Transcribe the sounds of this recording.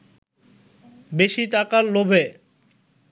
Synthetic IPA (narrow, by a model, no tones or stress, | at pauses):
beʃiʈakaɾlobʱe